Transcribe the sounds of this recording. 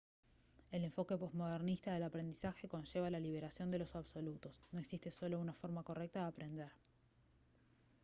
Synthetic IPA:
e̞le̞ɱfo̞ke̞po̞zmo̞ð̞eɾnist̪aðe̞lapɾe̞nd̪isaxe̞ko̞nʃe̞β̞alaliβ̞e̞ɾasjo̞nd̪e̞lo̞saβso̞lut̪o̞sno̞eksist̪e̞so̞lo̞unafo̞ɾmako̞re̞k̚t̪aðeapɾe̞nd̪eɾ

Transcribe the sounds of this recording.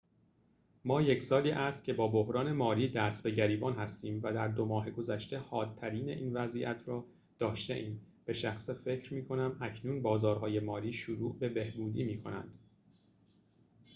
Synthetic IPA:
mɒːje̞cʰsɒːliːʔæst̪̚cʰe̞bɒːbo̞hɾɒːne̞mɒːɾiːd̪æst̪be̞ɟæɾiːbɒːnhæst̪iːmvæd̪æɾd̪o̞mɒːɦeɡo̞zæʃt̪e̞hɒːd̪ʰæɾiːne̞̰ʔiːnvæziʔæ̰t̪ʰɾɒː | d̪̥ɒːʃt̪ḛʔiːm | b̥e̞ʃæxsefe̞cʰɾmiːkʰo̞næmæcʰnuːnbɒːzɒːɾhɒːje̞mɒːliːʃuɾuːʔbe̞be̞hbuːd̪iːmiːkʰo̞næ̰nd̪̥

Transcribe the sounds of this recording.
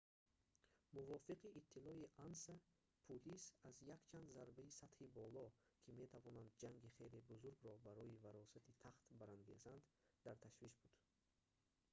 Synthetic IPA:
muvɔfiqiʔːt̪ʰːilɔiʔansa | pʰulisazjakt͡ʃʰand̪zaɾbaisat̪hibɔlɔkʰime̞t̪ʰavɔnand̪̚d͡ʒaŋɡiχejlibuzuɾɡɾɔbaɾɔivaɾɔsat̪ʰit̪ʰaχt̪baɾaŋɡe̞zand̪d̪aɾt̪ʰaʃviʃbud̪̥

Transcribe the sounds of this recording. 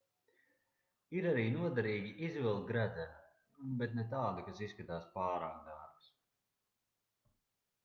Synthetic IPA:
iɾaɾiːnuɔd̪aɾiːɡʲiʔizvɛlˠt̪̚ɡɾæd̪zɛ | bet̪nɛt̪̬aːd̪ikasiskat̪aːspaːɾaːk̚d̪aɾbs

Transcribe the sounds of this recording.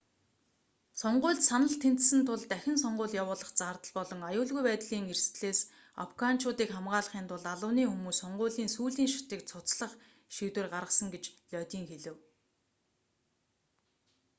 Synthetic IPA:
sɔɴɢʊːɮt̪sanə̆ɬt̪ʰen̥t̪sɘ̆nt̪ʰʊɮt̪æxʲɪ̆nsɔɴɢʊːɮjawʊːɮə̆χt͡saːrt̪ə̆ɮpɔɮɞ̆ŋajʊːɮɣujpæːt̪ɮiːŋerst̪ɮeːs | a̰fɡan̥t͡ɕʊːt̪iːkχamɢaːɮə̆χiːnt̪ʰʊɮaɮʊ̆wniːxumuːssɔɴɢʊːɮiːnsuːɮiːŋʃḁt̪iːk̚t͡sʰʊt͡sɮə̆χ | ʃiːt̪wɘ̆rɢaɾʁə̆sə̆ŋɡet͡ɕɮœt̪ʲiːŋxeɮɘ̆w

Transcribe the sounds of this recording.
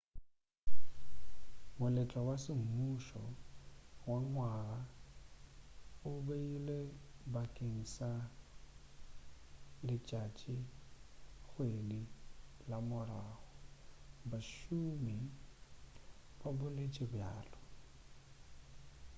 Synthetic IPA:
mʊlɛt͡ʃʼawasɪm̩muʃɔ | waŋwara | ʊbeilebakʼeŋ̩sa | lɪt͡ʃʼat͡ʃʼi | ɣwedi | lamʊɾaːɣɔbaʃumi | babʊlet͡ʃʼɪbja̰ːlɔ

